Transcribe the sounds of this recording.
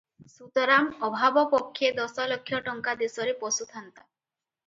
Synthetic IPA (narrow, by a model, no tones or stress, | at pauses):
sut̪ɔɾamɔbʱabɔpɔkʰːjed̪ɔsɔlɔkʰːjɔʈɔŋkad̪esɔɾepɔsut̪ʰant̪a